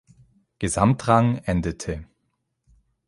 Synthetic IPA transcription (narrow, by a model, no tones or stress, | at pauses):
ɡ̥əzamtʁaŋʔɛndətʰə